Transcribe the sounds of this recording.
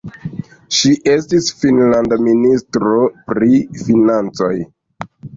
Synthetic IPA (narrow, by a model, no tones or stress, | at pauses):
ʃiʔe̞stisfinlandaministɾo̞pɾifinant͡so̞j